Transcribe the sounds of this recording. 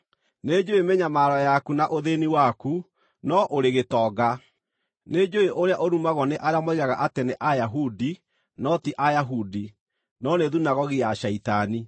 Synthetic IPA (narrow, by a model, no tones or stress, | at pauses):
ned͡ʒoemeɲamaːɾɔjakunaʔoðeniwaku | nɔʔoɾeɣetɔːɡa | ned͡ʒoeʔoɾeaʔoɾumaɣɔneʔaɾeamoiɣaɣaʔatɛneʔajaɦudi | nɔtiʔajaɦudi | nɔneðunaɣɔɣijaɕɛitani